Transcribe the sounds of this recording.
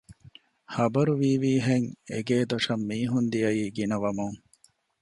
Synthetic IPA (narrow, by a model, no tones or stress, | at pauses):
hɐbɐɾuʋiːʋiːɦeŋḛɡeːd̪oʂɐmːiːɦund̪iɐjiːɡinɐʋɐmuŋ